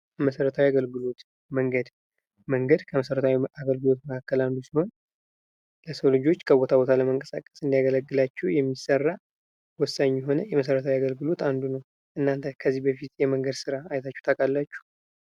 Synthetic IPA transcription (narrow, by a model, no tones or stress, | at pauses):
məsəɾət̪ʰawiaɡəlɡɨlo̞t̪ | məŋɡəd̪ | məŋɡəd̪kʰəməsəɾət̪ʰawiaɡəlɡɨlo̞t̪məkʰakːəland̪usiho̞n | ləsəwlɨd͡ʒo̞t͡ʃːkʰəbot̪ʰabo̞t̪ʰaləməŋkʼə̥sa̰kʼə̥sɨnd̪ijaɡələɡːɨlat͡ʃːɛwjɛmːisərːa | wɔsaɲjɛɦo̞nəjɛməs̬əɾət̪ʰawiaɡəlɡɨlo̞t̪ʰand̪unəw | ʔɨnːant̪ʰəkʰəzːihbəfit̪jɛməŋɡəd̪sɨɾaːjt̪ʰat͡ʃːɛ̥wt̪ʰakʼalːat͡ʃːu̥